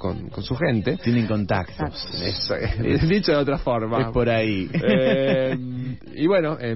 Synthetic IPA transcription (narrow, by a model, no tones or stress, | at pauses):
ko̰ŋkonsuxẽnt̪et̪jenẽŋkõnt̪a̰kt̪osnesa̰ed̪it͡ʃoðot̪ɾafoɾmapoɾai | iβwenoʔe